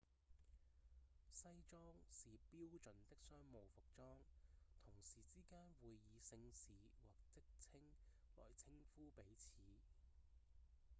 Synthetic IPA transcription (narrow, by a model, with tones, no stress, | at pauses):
sɐ˥jt͡ʃɔː˥ŋsiː˨piː˥wt͡ʃɵ˨˩nt̪ɪ˥k̚sœː˥ŋmo˨˧wfʊ˨k̚t͡ʃɔː˥ŋt̪ʰʊ˨˩ŋsiː˨t͡siː˥kaː˥nwuː˨˧jːiː˨˧sɪ˧ŋsiː˨˥wɔː˨˩k̚t͡sɪ˥k̚t͡sʰɪ˥ŋ | lɔ̰ː˨˩jt͡sʰɪ˥ŋfuː˥pe˨˥jt͡sʰiː˨˦